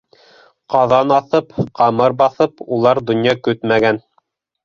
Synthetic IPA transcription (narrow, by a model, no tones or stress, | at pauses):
qɑðɑnɑθɤpqɑmɤɾbɑθɤpulˠɑɾd̪ŏnjɑkɵt̪mæɡæn